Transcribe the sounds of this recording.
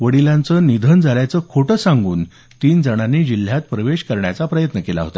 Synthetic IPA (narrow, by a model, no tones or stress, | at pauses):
ʋəɽilãnt͡sənid̪ʱənd͡zʱaljat͡səkʰoʈəsãŋɡuːn | t̪iːnd͡zəɽ̃anːid͡ʑil̤jat̪pɾəʋeɕkəɾɳjat͡sapɾəjət̪nəkela̰ɦo̰t̪a